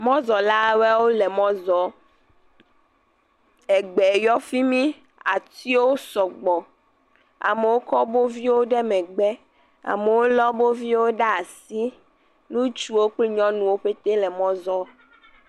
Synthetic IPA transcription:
mɔ̃˦zɔ˨la˦wɛ˦wo˦le˨mɔ̃˦zɔ˨ | ɛ˨ɡ͡bɛ˨jɔ˦fi˦mĩ˦ | a˨t̪i˦wo˦sɔ˨ɡ͡bɔ˨ | a̰˨me˨wo˦kɔ˦bo˦vi˦wo˦ɖɛ˦mɛ̃˨ɡ͡bɛ˦ | a̰˨me˨wo˦lɔ˦bo˦vi˦wo˦ɖa˦a˨si˦ | nũ˦t͡ʃu˦wo˦k͡pli˦ɲɔ̃˦nũ˨wo˦ɸe˦t̪e˦lɛ˨mɔ̃˦zɔ˦

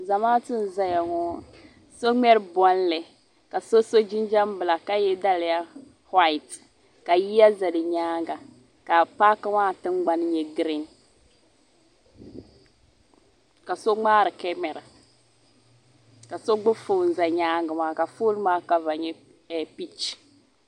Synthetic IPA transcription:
za˨maː˦tɨ˦n˨za˦ja˨ŋɔ˦ | so˦ŋ͡mɛ˦ɾbɔ˦n˦lɛ˨ | ka˨so˦so˦d͡ʒi˦n˦d͡ʒa˦m˦bɨ˨la˨ka˦jɛ˦da˦lɪ˨ja˦ | hwa˦i˨t | ka˨ji˦a˦za˨dɨ˨ɲaː˦ŋɡa˨ | ka˨pa˦ka˦maː˦tɨ˦ŋ͡mɡ͡ba˦n˦ɲɛ˨ɡɾi˦n | ka˨so˦ŋ͡maː˦ɾɨ˨kɛ˦mɛ˨ɾa˨ | ka˨so˦ɡ͡bʊ˦fo˦˨n̩˨za˨ɲaː˦ŋɡa˨maː˦ka˨fo˦lmaː˦ka˦va˨ɲɛ˦ | ɛ˨pi˦t͡ʃ

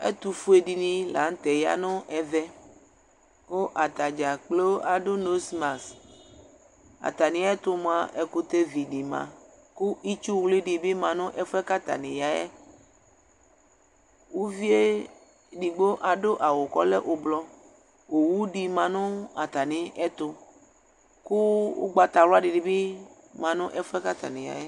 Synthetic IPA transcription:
ḛ˦t̪u˨fu˦e˨ɖi˨nĩ˦la̰˨˦ŋ̩˦t̪ɛ˨ja̰˦nõ˦ʔɛ˨vɛ˦ | o˦ʔa˨t̪a˨d͡ʒa˨k͡plo˦a˨ɖo˦no˦sma˨s | a̰˨t̪a˨nĩ˨˦ɛ˦t̪o˦m˦ã˦ʔɛ˨ku˦t̪e˦vi˨ɖi˨mã̰˨ | ku˦i˦t͡ʃu˦wli˦ɖi˨bi˦mã˨nõ˦ʔɛ˦fɛ˦ka˦t̪a̰˨nĩ˨ja˨ɛ̰˦ | wu˦vi˦e˦ | ɖi˨ɡ͡bo˦ʔa˨ɖo˦ʔa˨wo˨kɔ̰˦lɛ˦ʔo˨blɔ˦ | wo˨wu˦ɖi˨mã˨nʊ̃˦a˨t̪a˨nĩ˨ɛ˦t̪ʊ˦ | ku˦o̰˦ɡ͡ba˨t̪a˨ɾa˦ɖi˨ɖi˨bi˦ | mã˨nʊ̃˦ʔɛ˦fɛ˦ka˦t̪a̰˨nĩ˨ja̰˨jɛ˦

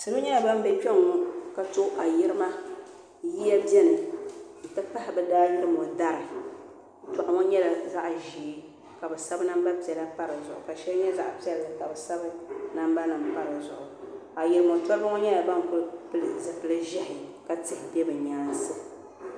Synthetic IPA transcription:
sɨ˨nu˦ɲɛ˦a˨ba˦m˦bɛ˦pɛ˦ŋɔ˦ka˨to˦ʔa˨ji˦ɾɨ˦ma˦ | ji˦ɛ˦bjɛ˦nɨ˨n̩˨ta˦pa˦hɪ˨bɛ˦daː˦jɪ˦ɾɨ˦mɔ˨da˦ɾɨ˨ | tɔ˨ʔa˦˨ŋɔ˦ɲɛ˦la˨za˦ʔʒiː˨˦ | ka˨bɛ˨sa˦bɨ˦na˦mba˦pi˨ɛ˨la˦pa˦ɾɨ˨zʊ̰˨ʔʊ̰˨ka˨ʃɛ˦lɲɛ˦za̰˦˨ʔpi˦ɛ˦lka˨bɛ˨sa˦bɨ˦na˦m˦ba˦nɨ˨m˨pa˦ɾɨ˨zʊ˨ʔʊ˨ | a˨jɪ˨ɾɨ˦mo˨tɔ˦ɾɨ˦ba˦ŋɔ˦ɲɛ˦la˨ba˦m˨kʊ˦lɨ˦pɨ˦lɨ˨zɨ˨pɨ˨lɨ˦ʒɪ˦hɪ˨ka˦tɪ˨hɪ˨dɛ˦bɨ˨ɲa˦n˦sɨ˦

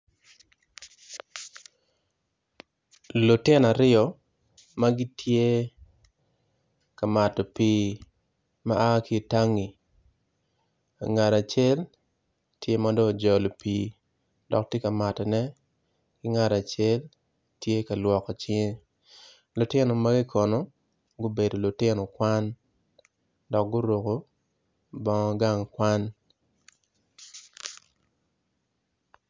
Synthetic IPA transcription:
lu˨tɪ˦na˨ɾɪ˦ɔ˨ | ma˦ɡi˦tʰje˦ | ka˨ma˨tɔ˨piː˨˦ | ma˦ʔa˦ki˦˨ta˦ŋi˨ | a̰˨ŋa˨ɾa˨t͡ʃe˦l | tje˦mɔ˦dɔ˦˨d͡ʒɔ˨lɔ˨piː˨ | d̥ɔ̰˨k̚tje˦ka˨ma˨tɛ˨nɛ˦ | kɪ˦ŋa˨ɾa˨t͡ʃe˦l | tje˦ka˨lwɔ˨kɔ˨t͡ʃɪ˦ | lʊ˨tɪ˦no˨ma˦ɡɪ˦kʰɔ˨no˨ | ɡʊ˦be˨do˨lʊ˨tɪ˦nɔ˨kwa˦n | dɔ˨k̚ɡʊ˦ɾo˨ko˨ | bɔ˦ŋɔ˦ɡa˦ŋkwa˦n

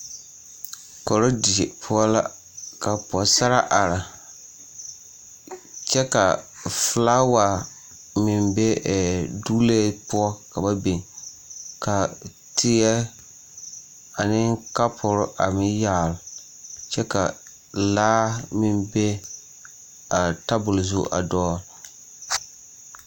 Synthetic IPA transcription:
kɔ˨ɾo˦di˨e˨pʰʊ˦ɔ˦la˦ | ka˨pɔ˨sa˦ɾa˦ʔa˨ɾa˨ | t͡ʃɛ˦ka˨flaː˦wa˨ | mɪ˨mbe˦ɛ˨du˦le˦pʊ˦ɔ˦ka˨ba˦bi˨ | ka˨ | tɪ˨ɛ˦ | a˨nɪ˦ŋka˦pʰʊ˨ɾʊ˦ʔa˨mɪ˦jaː˦˨lʊ˨ | t͡ʃɛ˦ka˨ | laː˦mɪ˨mbe˦ | a˨ta˦bʊ˨lzʊ˦ʔa̰˨dɔː˦

